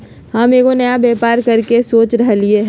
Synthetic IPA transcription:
hɐmeːkonɐjabɛːpaːɾkɐɾkesoːt͡ʃɾɐɦelɪeɦ

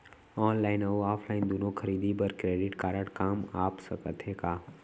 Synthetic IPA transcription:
ɔːnlaːɪnəoaːpʰlaːɪnd̪oːnõkʰɐɾiːd̪ibəɾkɾeːɖɪʈkaːɾəɽkaːmaːpsəkət̪ʰeːkaː

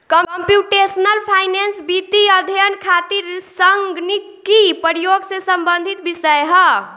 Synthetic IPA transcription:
kəmmpjuʈesnəlpʰajnensbit̪iəd̪ʱjənkʰat̪iɾsəŋɡnikipəɾijoɡsẽsəmbənd̪ʱit̪̚bisəjɦʌ

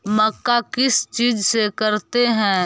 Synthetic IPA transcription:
mɐkːakɪst͡ʃiːd͡ʒsekɐɾt̪eɦɛ̃ː

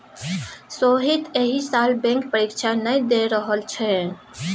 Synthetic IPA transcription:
soɦit̪eɦisaːlbɛ̃ŋkpəɾikt͡ʃʰanəd̪eɾəɦəlt͡ʃʰɛ

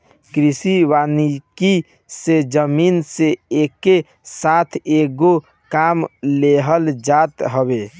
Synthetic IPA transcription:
kɾisiʋaniki | sed͡ʒəmiːnseeke | sat̪ʰeɡo | kamleɦəld͡ʒat̪ɦəbe

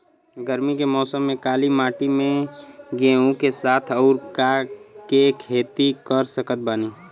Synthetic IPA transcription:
ɡəɾmikemɔːsəmːẽkaːlimaːʈimẽɡẽũkesaːt̪ʰɐʊɾkakekʰeːt̪ikəɾsəkət̪̚baːniː

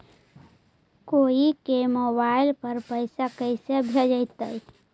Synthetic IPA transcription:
koːikemobaɪlpəɾpəɪsakəɪsebʱed͡ʒəɪt̪ə̰j

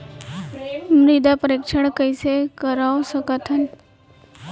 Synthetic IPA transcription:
mɾid̪apəɾikʂəɳkəjsekəɾaʋsəkət̪ʰən

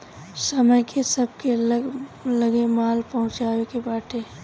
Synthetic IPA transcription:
səməjkʰesəb̚ke | ləɡemaːlpɐɦʊ̃t͡ʃaːwekebaːʈʰe

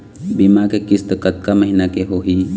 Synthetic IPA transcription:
bimakekɪst̪əkət̪̚kaməɦinakeɦoɦiː

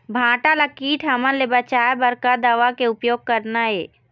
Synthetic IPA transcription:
bʱãːʈalakiːʈʰɦɐmənlebət͡ʃaːebɐɾkad̪aʋakeʊpjoːɡ̚kɐɾnaɦeː

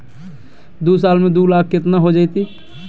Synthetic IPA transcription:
d̪usaːlmẽd̪ulak̚ʰkɪt̪naɦod͡ʒaːɪt̪i

